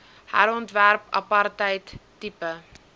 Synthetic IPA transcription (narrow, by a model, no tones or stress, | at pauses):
hæ̰ɾɔntværpɐ̰pɐrtəjtː | ipə